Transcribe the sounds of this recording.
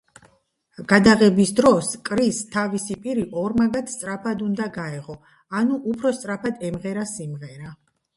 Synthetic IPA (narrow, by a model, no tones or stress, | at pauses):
ɡ̥ad̪aʁɛbisd̪ɾɔskʼɾist̪ʰavisipʼiɾiʔɔɾmaɡat̪ʰst̪sʼɾapʰad̪und̪aɡaɛʁɔ | anuʔupʰɾɔst̪sʼɾapʰad̪ɛmʁɛɾasimʁɛɾa